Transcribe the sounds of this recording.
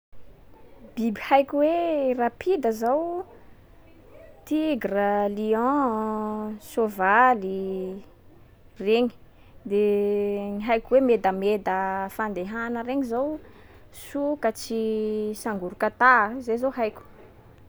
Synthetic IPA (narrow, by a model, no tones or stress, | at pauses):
b̥ibihajkʲuwerapʰid̪əzaw | t̪iɡraliɔ̃ | sovali | reɲi̥ | d̪eŋiɦajkʲuwemed̪əmed̪əfand̪eɦanəɾeŋizaw | sukət͡ʃisaŋɡuɾukət̪azezoɦajkʲu̥